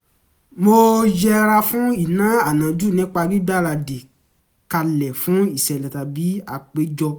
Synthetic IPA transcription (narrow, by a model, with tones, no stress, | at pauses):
mo˧d͡ʒɛ˧ɾa˧fũ˦i˦˨nã˨˦a˦˨nã˨d͡ʒu˦˨nĩ˦k͡pa˧bi˦ɡ͡ba˦˨ɾa˧de˨ | ka˧lɛ˨fũ˨˦i˦˨sɛ˨lɛ˨ta˨bi˨˦a˦˨k͡pe˨˦d͡ʒɔ˧